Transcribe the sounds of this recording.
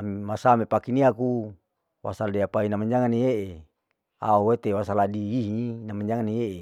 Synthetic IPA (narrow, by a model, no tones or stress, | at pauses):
amimasamepakiniaku | wa̰saldeapainamaɲd͡ʒaŋanijeʔe | a̰owet̪ewasaladiiɦinamaɲd͡ʒaŋanijeʔe